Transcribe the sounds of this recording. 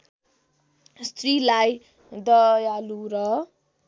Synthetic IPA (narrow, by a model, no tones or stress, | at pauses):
st̪rilaj | d̪ʌjaluɾʌ